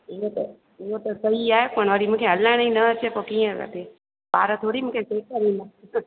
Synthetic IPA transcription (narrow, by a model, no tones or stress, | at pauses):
ɪɦot̪ɐ̰ | ɪɦot̪ɐsɐiaːɦekoːɽ̃ʋaːɾimũːkʰeɐlãnĩnɐət͡ʃepokiːə̃ə̰t̪e | baːɾət̪ʰoːɽimũːkʰet͡ʃeːkːɐɾiːna